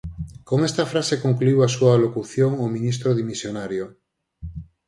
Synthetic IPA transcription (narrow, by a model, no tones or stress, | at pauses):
koŋest̪afɾasekoŋkluiwasualokuθjoŋomĩnis̬t̪ɾoðimisjonaɾjo